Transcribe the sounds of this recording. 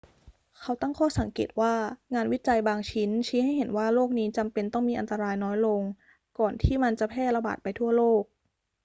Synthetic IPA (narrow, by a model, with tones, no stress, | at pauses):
kʰa˦˥wt̪a˥˩ŋkʰɔː˥˩sa˨˩˦ŋkḛ˨˩t̪̚waː˥˩ŋaː˧nwi˦˥t͡ɕa˧jbaː˧ŋt͡ɕʰi˦˥nt͡ɕʰiː˦˥ha˥˩jɦe˩˦nwaː˥˩loː˥˩k̚niː˦˥t͡ɕa˧mpe˧nt̪ɔ˥˩ŋmiː˧ʔa˧nt̪a˧ɾaː˧jnɔː˦˥jlo˧ŋ | kɔː˨˩nt̪ʰiː˥˩ma˧nt͡ɕa˨˩pʰɛː˥˩t̪̚la˧ba̰ː˨˩t̪̚pa˧jt̪ʰu˥˩ɐloː˥˩k̚